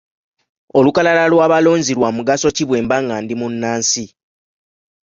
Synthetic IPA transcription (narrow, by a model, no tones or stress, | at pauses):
o̞lukalalalwaːβalo̞ːɲziɾwamuɡaso̞ciβwe̞ːmbaŋaːndimunːaːnsi